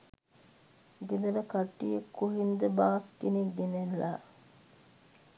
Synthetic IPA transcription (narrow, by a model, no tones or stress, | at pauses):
ɡed̪əɾəkaʈːijəkːuɦind̪əbaːskiniɡenelːa̰